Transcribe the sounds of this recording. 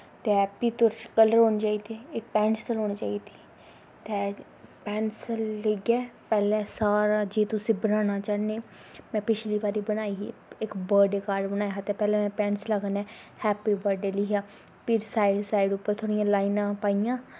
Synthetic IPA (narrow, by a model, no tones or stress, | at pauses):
t̪eɛːpiːt̪oɾskələɾoːnt͡ʃaːiːd̪eːɪk̚pɛ̃ːnst̪əloːnːt͡ʃaːiːd̪iː | t̪e | pɛːnsləɡɛːpɛːlɛ̃ːsaːɾaːd͡ʒeːt̪ʊsĩːbənaːñaːt͡ʃaːneː | mɛ̃ːpɪt͡ʃliːbaːɾiːbənaːḭɪkbəɾɖeːkaːɾɖbənaːjɦat̪ẽːpɛːlɛ̃ːmɛ̃ːpɛ̃ːɳsləɡnɛː | hɛːpiːbəɾɖeːliːɦaː | pɪɾsaːɪɖsaːɪɖʊpːəɾt̪ʰoːɽijãːlaːinãːpaːijãː